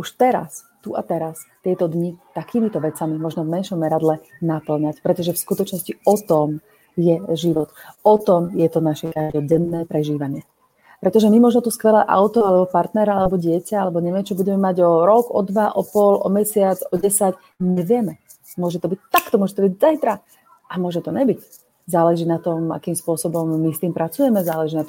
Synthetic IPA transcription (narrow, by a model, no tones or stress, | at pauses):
uʃt̪ɛɾa̰st̪uʔat̪ɛɾast̪ɪɛt̪ɔd̪ɲit̪akiːmit̪ɔʋɛt͡samimɔʒnɔvmɛnʃɔmːɛɾad̪lɛnapl̩ɲacpɾɛt̪ɔʒɛfskut̪ɔt͡ʃnɔsciɔt̪ɔm | jɛʒiʋɔt̪ɔt̪ɔmjɛt̪ɔnaʃɛkad̪ɔɟɛnːɛːpɾɛʒiːʋaɲɪɛ | pɾɛt̪ɔʒɛmimɔʒnɔt̪uskʋɛlɛːʔa̰ʊt̪ɔalɛbɔpaɾt̪nɛɾaalɛbɔɟɪɛcaalɛbɔɲɛʋɪɛmt͡ʃɔbuɟɛmɛmaɟɔɾɔɡɔd̪ʋaʔɔpɔlʔɔ̰mɛsɪad͡zɔɟɛsac | ɲɛʋɪɛmɛ | mʊɔʒɛt̪ɔbic̚t̪akt̪ɔmʊɔʒɛt̪ɔbiɟzajt̪ɾa | ʔamʊɔʒmɛt̪ɔɲɛbic | zaːlɛʒiːnat̪ɔma̰kiːmspʊɔsɔbɔmːist̪iːmpɾat͡sujɛmɛzaːlɛʒiːnat̪ɔm